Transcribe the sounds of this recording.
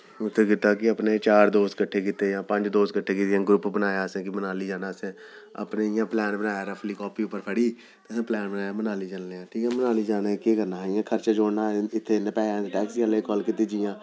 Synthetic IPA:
ʊt̪ʰːeːkɪt̪ːaːkɪəpneːt͡ʃaːɾd̪oːskəʈʰːeːkɪt̪eːjãːpə̃ɲd͡ʒd̪oːskəʈʰːeːkɪt̪ɪãːɡɾʊpbənaːjaːsẽːkɪbənaːliːd͡ʒaːnaːsẽ | ə̰pneːɪjãːplɛːnbənaːjaːɾaːpʰɪliːkɔːpiːʊpːəɾpʰəɽiː | t̪esãːplɛːnbənaːjaːmənaːliːd͡ʒəlleːãːʈʰiːkɛːmənaːliːd͡ʒaːnakeːkəɾnaːɦɪjãːkʰəɾt͡ʃaːd͡ʒoːɽnaːɪt̪ʰːeːnẽpɛːãːd̪ʈɛːksɡəleːkɔːlkɪt̪iːd͡ʒijãː

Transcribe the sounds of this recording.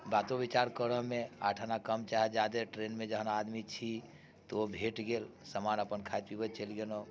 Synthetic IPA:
bat̪obit͡ʃaɾkəɾəɦmea̰ʈʰənakəmt͡ʃaɦɛd͡ʒad̪eʈɾenmed͡ʒəɦnaːd̪mit͡ʃʰi | t̪oobʱeʈɡelsəmanəpənkʰajt̪̚pibət͡ʃəlɡeno

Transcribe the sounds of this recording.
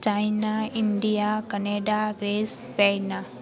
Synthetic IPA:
t͡ʃajnaiɳɖijakəneɖaɡɾespɛjna

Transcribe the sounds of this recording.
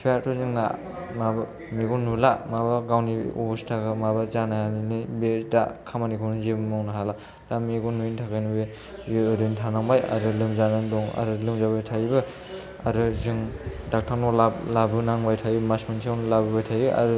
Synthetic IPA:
pʰeaɾtʰɔzɯŋna̰ | mab | miɡunulamabaɡawniṵbustʰaɡamabazanajaninibeda̰kʰamanikʰɯnɯzebɯmawnaɦala | dameɡɔnuintʰaɡajnɯbe | jeɯɾɯntʰanaŋbaja̰ɾɯlɯmzanɯdɔŋa̰ɾɯlɯmzabajtʰabɯ | aɾɯzɯŋdak̚tʰanɔlalabɯnaŋbajtʰajbmasmɯnsʰawnlabɯbajtʰajɯʔa̰ɾɯ

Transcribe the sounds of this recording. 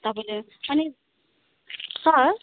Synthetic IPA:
t̪ʌpaĩle | ʌni | sʌ

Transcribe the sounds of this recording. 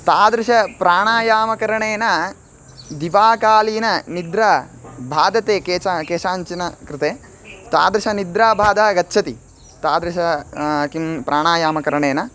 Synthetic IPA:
t̪aːd̪ɾɪʃɐpɾaːɳaːjaːmɐkɐɾɐɳeːnɐ | d̪iʋaːkaːliːnɐnid̪ɾaːbʱaːd̪ɐt̪eːkeːakeːʃaːɲt͡ʃinɐkɾɪt̪eː | t̪a̰ːd̪ɾɪʃɐnid̪ɾaːbʱaːd̪aːɡɐtːʃʰɐt̪i | t̪aːd̪ɾɪʃɐkimpɾʔaːɳaːjaːmɐkɐɾɐɳeːnɐ

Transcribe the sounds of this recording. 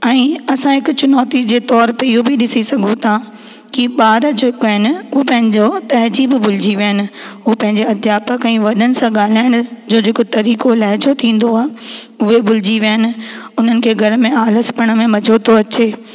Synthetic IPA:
ɛ̃ːɐsãɦɪkʊt͡ɕʊnɔːt̪id͡ʑeːt̪ɔːɾpeɪjobʱiɗɪsisɐɡʱot̪ʰã | kiɓaːɾəd͡ʑeːkɦɪnɪʊɦopɐ̃ɦɪ̃ɲd͡ʑot̪ɐɦd͡ʑiːbɪbʊl̤ɪd͡ʑiʋijənɪ̆ɦʊpɐ̃ɦɪ̃ɲd͡ʑeɐd̪ʱjaːpəkɛ̃ʋɐɗənɪ̆sãɠaːl̤aːɪɽ̃ʊd͡ʑoːd͡ʑʱeːkot̪ɐɾiːkolɐɦɪd͡ʑot̪ʰĩːn̆d̪oaː | ʊɦebʊlɪd͡ʑiʋijnɪ̆ʊn̤ənɪ̆kʰeːɡʱɐɾmẽaːləspɐɽ̃əmẽmɐd͡ʑʱot̪ʰoɐt͡ɕeː

